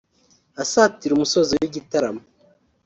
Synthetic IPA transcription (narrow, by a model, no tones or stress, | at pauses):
asaːtiɾumusozowiɟitaɾamo